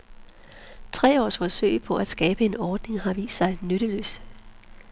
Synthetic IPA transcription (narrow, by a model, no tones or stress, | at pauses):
t͡sʰʁɛ̰ːɒ̰ːsfɒ̽sø̰ɪpʰɒ̽ʔæd̥sɡ̥ɛːb̥əe̝nɒːd̥ne̝ŋhɑ̈ʋḭːsd̥sɑ̈ɪnøɾ̥əlø̰ːs